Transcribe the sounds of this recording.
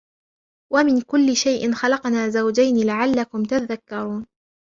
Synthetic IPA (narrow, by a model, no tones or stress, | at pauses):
wamɪnkʊlːɪʃajʔɪnxɑlɑqnaːzawd͡ʒajnɪlaʕalːakʊmt̪aðakːɑɾˤuːn